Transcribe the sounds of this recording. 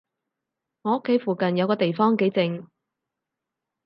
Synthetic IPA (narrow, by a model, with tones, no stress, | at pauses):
ŋɔː˧˥o˥kʰːe˨˥jfuː˨kɐ˨njɐ˨˧wkɔː˧t̪e˨jfɔː˥ŋke˨˥jt͡sɪ˨˧ŋ